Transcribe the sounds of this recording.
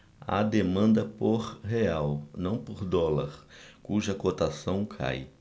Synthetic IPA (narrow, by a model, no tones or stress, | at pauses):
a̰d̪emɐ̃nd̪ɐpoɾɦeawnɐ̃w̃poɾd̪ɔlɐɾkuʒɐkot̪asɐ̃w̃kʰa̰j